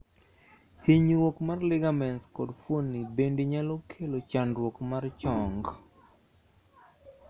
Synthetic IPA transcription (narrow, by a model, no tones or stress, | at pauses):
hiɲɾwokmarlɪɡamɛnskɔdfwonːibendiɲalɔkʰelot͡ʃandɾwokmart͡ʃɔŋɡ